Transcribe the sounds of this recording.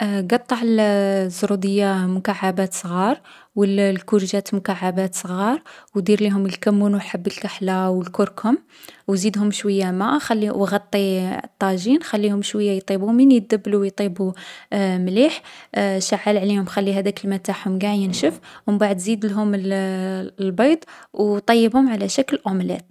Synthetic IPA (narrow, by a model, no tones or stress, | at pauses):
ɡɑt̪ˤːɑʕəlzɾud̪əjːamʊkaʕːabæt̪sˤɣɑɾˤ | wəllkuɾʒæt̪mʊkaʕːabæt̪sˤɣɑɾˤwd̪iɾliɦʊməlkæmːunwħabːəlkaħlawəlkʊɾkhʊm | wzid̪hʊmʃwəjːamæxælːiwɣɑt̪ˤːit̪ˤːɑʒinxælːihʊmʃwəjːajt̪ˤibuminjəd̪ːəbːluwjt̪ˤibu | mliħʃaʕːəlʕlihʊmxælːiɦæd̪ækəlmæt̪ːaħhʊmɡaʕjənʃəfhʊmbaʕəd̪zid̪lɦʊml | lbɑjd̪ˤwt̪ˤɑjːəbhʊmʕalæʃækəlʔʊmlæ̰t̪